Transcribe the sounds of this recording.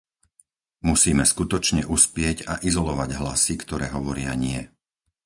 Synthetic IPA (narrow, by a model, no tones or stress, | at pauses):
musiːmɛskut̪ɔt͡ʃɲɛʔuspɪɛɟaʔizɔlɔʋaɟɦlasikt̪ɔɾɛːɦɔʋɔɾɪaɲɪɛ